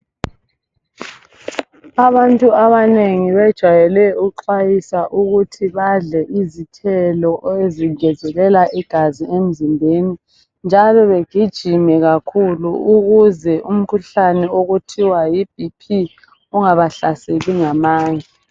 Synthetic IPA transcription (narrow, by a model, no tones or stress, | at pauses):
aβantʼuaβaneŋiβɛd̥ʒ̥ʱwajɛlɛuǃajisaʔuɣutʰiβaɮɛʔizitʰɛlɔʔeziɡʱɛzɛlɛlaʔiɡ̥ʱaziem̩zimbʱeni | nd͡ʒʱalɔβeɡ̥ʱid̥ʒ̥ʱimɛɣakʰuluuɣuzɛʔum̩kʰuɬanɛoɣutʰiwajib̥ʱipʰi | uŋaβaɬaseliŋamaːɲɛ